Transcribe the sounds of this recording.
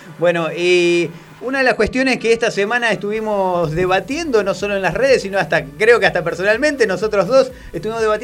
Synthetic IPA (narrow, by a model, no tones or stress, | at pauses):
bweno̞e | unaðe̞laskwet̪jo̞neskeest̪asemãnaest̪uβimo̞zðeβat̪jend̪o̞no̞so̞loenlasreð̞esːinoast̪akɾeo̞keaht̪apeɾsonalmẽnt̪enosot̪ɾozðo̞s | est̪uβimoðeat̪j